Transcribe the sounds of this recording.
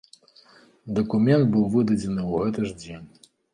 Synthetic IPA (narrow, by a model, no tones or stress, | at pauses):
d̪ɐkumʲɛnd̪̚bɨwvɨd̪ɐd͡zʲɛnɨuɣɛt̪ɨʐd͡zʲenʲ